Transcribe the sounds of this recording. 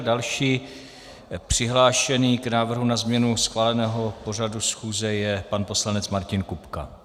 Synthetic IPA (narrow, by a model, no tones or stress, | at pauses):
dalʃiː | pr̝̥ɪɦlaːʃɛniːknaːvr̩ɦunazmɲɛnusxvaːlɛnɛːɦo̞po̞r̝adusxuːzɛjɛpanpo̞slanɛt͡smaɾcɪnkupka̰